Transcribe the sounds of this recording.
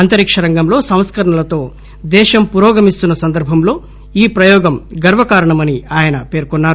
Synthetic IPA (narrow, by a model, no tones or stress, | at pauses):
ɐnt̪ɐɾikʂɐɾɐŋɡɐmlo̞ːsɐ̃w̃skɐɾɐɳɐlɐt̪o̞ː | d̪ɛːʃɐmpuːɾɔːɡɐmist̪unːɐsɐnd̪ɐɾbʱɐmlo̞ː | iːpɾɐjɔːɡɐmɡɐɾʋɐkaːɾɐɳɐmɐniaːjɐnɐpe̞ːɾkɔnːaːɾu